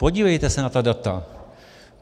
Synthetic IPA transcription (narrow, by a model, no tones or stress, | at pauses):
po̞ɟiːvɛjt̪ɛsɛnat̪adat̪a